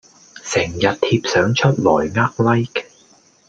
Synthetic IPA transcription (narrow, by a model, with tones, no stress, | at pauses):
sɪ˨˩ŋjɐ˨t̚t̪ʰiː˧p̚sœː˨˥ŋt͡ʃʰɵ˥t̚lɔː˨˩jŋaː˥k̚lɐ˥jk